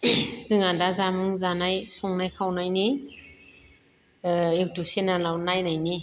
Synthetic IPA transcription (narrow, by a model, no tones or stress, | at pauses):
z̥ɯŋadazamɯŋzanajsɔŋnajkʰawnajni | ek̚tusenalawnajnajni